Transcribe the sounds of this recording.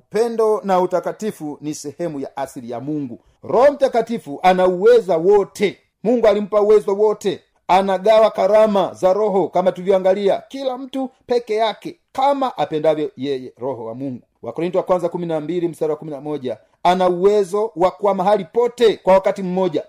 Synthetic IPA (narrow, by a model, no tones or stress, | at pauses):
upɛndɔnautakatifunisɛhɛmuja̰ʔaslija̰muŋɡu | ɾɔhɔm̩takatifuʔanauwɛzawɔtʰɛ | muŋɡualim̩pauwɛzɔwɔtɛ | anaɡawakaɾamazaɾɔɦɔkamatuvjɔaŋɡaliakilam̩tupɛkɛjakɛ | kamaʔapɛndavjɔjɛjɛɾɔhɔwa̰muŋɡuwʔa̰kɔɾintiwakwanzakuminambilim̩saɾawakuminamɔʄa | anauwɛzɔwakuwamaɦalipɔtɛkwawakatim̩mɔʄa